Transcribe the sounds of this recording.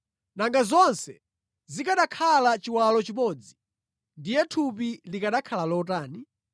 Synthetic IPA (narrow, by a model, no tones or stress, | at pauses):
naŋɡazɔnsɛ | zikaɗakʰalat͡ʃiwalɔt͡ʃimɔːd͡zi | ndijɛtʰupilikaɗakʰalalɔtaːni